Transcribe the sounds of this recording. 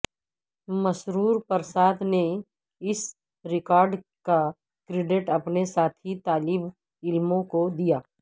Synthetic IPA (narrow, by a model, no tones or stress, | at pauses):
mɐʃɾuːɾpəɾsaːt̪ʰne | ɪs | ɾɪkaːɾɖka | kɾɪɖɪʈɐpnesaːt̪ʰit̪aːlɪb | ɪlmõkod̪ijaː